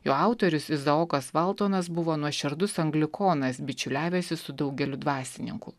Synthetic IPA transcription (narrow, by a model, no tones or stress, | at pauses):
joːɑˑʊt̪oɾʲʊsɪzɐoːkɐsʋɐlˠt̪oːnɐs̬bʊʋoːnuɔʃʲɪɾd̪ʊsɐŋɡlʲɪkʰoːnɐs̬bʲɪt͡ʃʲʊlʲæːʋʲɛːsʲɪsʊd̪ɐʊɡʲɛlʲʊd̪ʋɑːsʲɪnʲɪ̰ŋkʊ